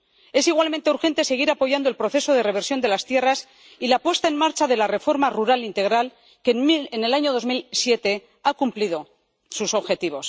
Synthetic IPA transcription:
e̞siɣwalmẽnt̪euɾxe̞nt̪e̞se̞ɣ̞iɾapo̞ʝand̪o̞elpɾo̞θe̞so̞ð̞e̞re̞β̞e̞ɾsjo̞nd̪e̞last̪je̞ras | ilapwe̞st̪ae̞nmaɾt͡ʃaðe̞lare̞fo̞ɾmaruɾalint̪e̞ɣɾal | keene̞laɲo̞ðo̞zmilsje̞t̪e̞ | akumpliðo̞ | suso̞βxe̞t̪iβ̞o̞s

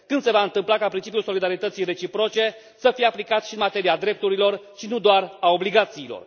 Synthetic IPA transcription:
kɨnd̪se̞vaɨnt̪ɨmplakapɾint͡ʃip̬ijulso̞lid̪aɾit̪ət̪sijre̞t͡ʃipɾo̞t͡ʃe̞ | səfijeaplikat̪ʃiɨnmat̪e̞ɾiad̪ɾe̞p̚t̪uɾilo̞rʃinud̪oarao̞bliɡat̪siːlo̞̰r

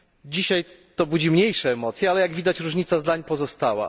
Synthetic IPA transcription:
d͡ʑiɕajt̪ɔbud͡ʑimɲejʂɛːmɔt̪sʲjɛalɛjaɡvʲid̪at͡ɕɾuʐɲit̪sazd̪aɲpɔzɔst̪awa̰

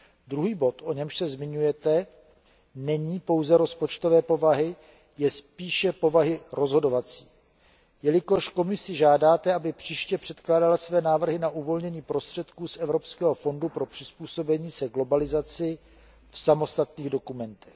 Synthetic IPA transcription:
d̪ɾuɦiːbo̞t̪ʔo̞ɲɛmʃsɛzmɪɲujɛt̪ɛ | nɛɲiːpo̞wzɛɾo̞spo̞t͡ʃt̪ovɛːpo̞vaɦɪ | jɛspiːʃɛpo̞vaɦɪɾo̞zɦo̞do̞vat͡siː | jɛlɪko̞ʃko̞mɪsɪʒaːdaːt̪ɛabɪpr̥iːʃcɛpr̝̥ɛt̪klaːdalasvɛːnaːvr̩ɦɪnaʔuvo̞lɲɛɲiːpɾo̞st̪r̝̥ɛt̪kuːsʔɛvɾo̞pskɛːɦo̞fo̞ndupɾo̞pr̥ɪspuːso̞bɛɲiːsɛɡlo̞balɪzat͡sɪ | fsamo̞st̪at̪niːɣdo̞kumɛnt̪ɛ̥x

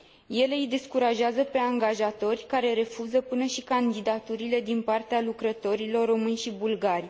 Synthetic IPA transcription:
je̞le̞ijd̪e̞skuɾaʒeazəpe̞aŋɡaʒat̪o̞rʲkaɾe̞ɾe̞fuzəpɨnəʃikand̪id̪at̪uɾile̞d̪inpart̪ealukɾət̪o̞ɾilo̞rːo̞mɨnʲʃibulɡaɾʲi

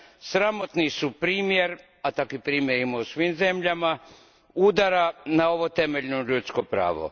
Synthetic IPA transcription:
sɾamot̪nisupɾiːmjeɾ | at̪akipɾiːmjeɾimausʋimze̞mʎama | ud̪aɾanao̞ʋo̞t̪e̞me̞ʎnoʎut̪skopɾa̰ːʋo̞̰

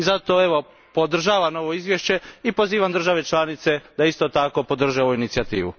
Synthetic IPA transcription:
izat̪oe̞ʋo̞ | po̞d̪r̩ʒaːʋamo̞ʋo̞izʋjeʃt͡ɕe̞ipoziːʋamd̪r̩ʒaʋe̞t͡ʃlaːnit̪se̞d̪aist̪ot̪ako̞pod̪r̩ʒeoʋuinit̪siat̪ḭːʋṵ

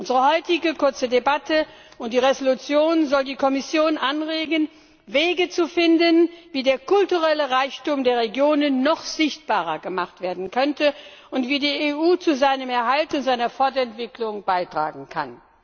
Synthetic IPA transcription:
ʔʊnzəʁəɦɔʏtɪɡəkʰʊɐt͡sədebatʰə | ʔʊntd̥iːʁezolut͡sjoːnzɔldiːkʰɔmɪsjoːnʔanʁeːɡən | veːɡət͡sufɪndənviːdeːɐkʊltuʁɛləʁaɪçtuːmdeːɐʁeɡjoːnənːɔχz̥ɪçt̚b̥aːʁɐɡəmaχtv̥eːɐdn̩kʰœntəʔʊntv̥iːdiːeʔuːt͡suzaɪnəmɛɐɦaltʊntz̥aɪnɐfɔɐdɐɛntv̥ɪklʊŋb̥aɪtʁ̥a̰ːɡŋ̩kʰa̰n

